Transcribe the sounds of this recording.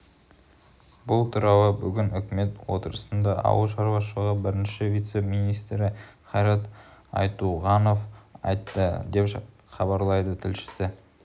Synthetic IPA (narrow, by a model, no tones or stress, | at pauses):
bʊlˠt̪ʰʊɾɑwəbʏɡʲɪnʏkʲɪme̞t̪wo̞̰t̪əɾəsənd̪ɑʔɑ̰wəlˠʃɑɾwɑʃəʁəbɪɾɪnʃɪevʲijt̪semijnijst̪ɾɪχɑjɾɑt̪ɑ̰jt̪uʁɑno̞fɑ̰jt̪ːəd̪e̞p | χɑbɑɾlˠɑjd̪ət̪ʰɪlʃɪ̥sɪ